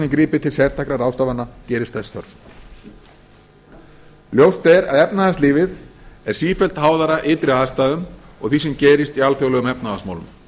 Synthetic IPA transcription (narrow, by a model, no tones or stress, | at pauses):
nɪŋkɾiːpɪt̪ʰɪlsjɛɾ̥t̪ʰakɾaɾawst̪aːvanːacɛːɾɪst̪θɛsɔ̰ɾ | ljowst̪ɛɾaðɛpnaðasliːvɪðɛɾ̥siːfɛl̥t̪haːwðaɾaʔɪːt̪ɾɪaðst̪aːðʏm | ɔ̰ɣθis̬ɛmcɛːɾɪst̪ialθœɣlœɣʏmɛpnaːasma̰wlʏ̰m